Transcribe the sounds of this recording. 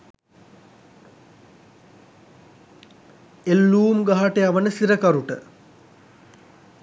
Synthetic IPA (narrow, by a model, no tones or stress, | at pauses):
elːuːmɡaɦaʈeaʋənəsiɾɐkɐɾuʈə